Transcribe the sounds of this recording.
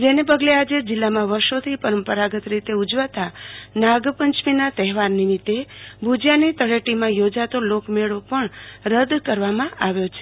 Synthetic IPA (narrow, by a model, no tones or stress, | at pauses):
d͡ʒenep̬əɡlead͡ʒed͡ʒɪlːamãʋəɾʃot̪ʰipəɾəmpəɾaɡət̪ɾit̪eud͡ʒʋat̪anaɡpəɲt͡ʃminat̪ɛɦɛʋaɾnimit̪ːebʱud͡ʒjanit̪əɽeʈimãjod͡ʒat̪olokmeɭopəɳɾəd̪kəɾʋamãʔaʋjot͡ʃʰe̥